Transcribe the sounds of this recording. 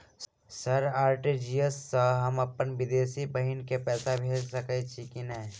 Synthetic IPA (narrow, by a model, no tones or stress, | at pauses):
səɾaːɾʈid͡ʒijəsːəɦəməpːənʋɪd̪eːsibəɦinkepɛːsabʱeːd͡ʒsəket͡ʃʰikinəː